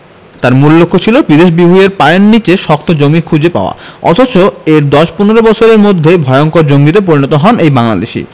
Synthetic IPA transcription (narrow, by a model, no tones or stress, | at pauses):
t̪aɾmullokʰːot͡ɕʰilopɾid̪eʃbibʱujeɾpajonːit͡ɕeʃɔk̚t̪ʰod͡ʑomikʰud͡ʑepa̰oa̰ɔ̰t̪ʰot͡ɕoeɾd̪ɔʃpuneɾobɔt͡ɕʰoɾeɾmod̪ʱːebʱɔeoŋkoɾd͡ʑoŋɡit̪̬ep̬oɾinɔt̪oɦɔnejbaŋla̰d̪eʃḭ